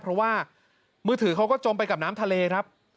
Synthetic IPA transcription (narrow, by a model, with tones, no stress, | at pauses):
pʰɾɔ˦˥waː˥˩ | mɯː˧˩t̪ʰɯː˨˩˦kʰa˦˥wkɔː˥˩t͡ɕo˧mp̬a˧jka˨˩p̚naː˦˥mt̪ʰa˧leː˧kʰɾa˦˥p̚